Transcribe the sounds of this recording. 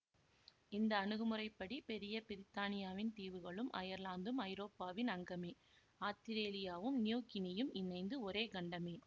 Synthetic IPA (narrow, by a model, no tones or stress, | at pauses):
ɪnd̪ɐːnɯɣɯmɯrɐɪpːɐɽipɛɾɪjɐpɪɾɪt̪ːaːnɪjaːʋɪnt̪iːʋɯɣɐɭɯmʔɐ̰jɐɾlaːnd̪ɯmɐɪɾoːpːaːʋɪnɐŋɡɐmeː | aːt̪ːɪɾeːlɪjaːʋɯmnɪjuːkɪnɪjɯmɪnɐɪnd̪ɯɔɾeːɡɐɳɖɐmeː